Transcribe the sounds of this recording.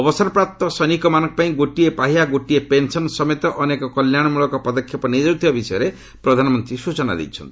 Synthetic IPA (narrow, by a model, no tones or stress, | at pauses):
ɔbɔsɔɾɔpɾap̚t̪ɔsɔnikɔmanɔŋkɔ̥paĩɡoʈiepaɦiaɡoʈiepensɔnsɔmet̪ɔʔɔnekɔkɔljaɽ̃ɔmuɭɔkɔpɔd̪ɔkʰjɔpɔnid͡ʒɔwt̪ʰibabisɔjɔɾe | pɾɔd̪ʱanɔmɔnt̪ɾisut͡ʃɔna̰d̪ḛjt͡ʃʰɔ̰nt̪ii